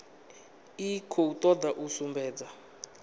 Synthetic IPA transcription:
ikʰout̪ʼɔd̪aʔusumbɛːd͡za

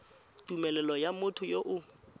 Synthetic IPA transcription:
tʼumɛlɛlɔjamʊtʰʊjoʔʊ

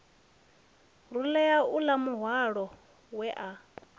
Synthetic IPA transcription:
rulɛjaulamuɦwaɺɔ | wɛʔa

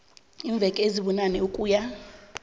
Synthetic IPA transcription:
iːɱb̪vʱɛkʼeziɓɔnanɛukʼuːja

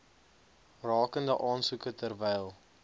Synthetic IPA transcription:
rɑːkəndəʔɑːnsukətərvɛjlˠ

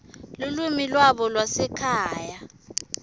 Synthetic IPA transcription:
lulumilwaɓɔlwasɛkʰaːja

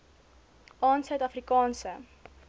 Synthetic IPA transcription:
ɑːnsœɥtɐfrikɑːnsə

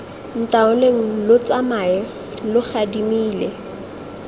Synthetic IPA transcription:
n̩tʼaʊleŋ̩lʊt͡sʼamaɪ | lʊχadimiːlɛ

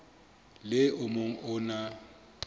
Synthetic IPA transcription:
lɪʔʊmoŋ̩ʔʊna

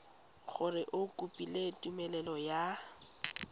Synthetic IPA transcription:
χʰʊrɪʔʊkʼupʼiletʼumɛlɛlɔja

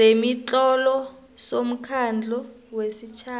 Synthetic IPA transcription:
emit͡ɬɔlɔ | som̩kʰand͡ɮʱɔ | wesit͡ʃʰaː

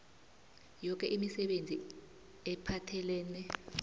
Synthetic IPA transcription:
jɔk̬ʼɛʔimisɛɓend͡zʱi | ɛpʰatʰɛlɛːnɛ

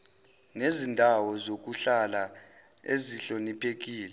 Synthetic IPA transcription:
nezindʱawɔzok̬uɬala | ḛziɬonipʰek̬iːlɛ

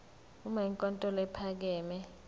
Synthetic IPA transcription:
umaiŋkʼɔntʼɔlɛpʰak̬ɛːmɛ

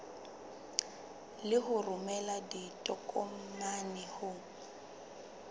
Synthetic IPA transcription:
lɪɦʊrʊmɛladitʼɔkʼɔm̩manɛhʊ

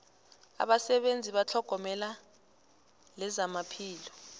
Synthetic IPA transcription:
a̰ɓasɛɓend͡zʱiɓat͡ɬʰɔɡ̥ʱɔmɛla | lɛzamapʰiːlɔ

